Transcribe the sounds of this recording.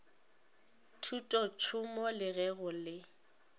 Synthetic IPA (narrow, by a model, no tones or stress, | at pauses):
tʰutʼɔt͡ʃʰʊmɔlɪɣɛɣʊlɪ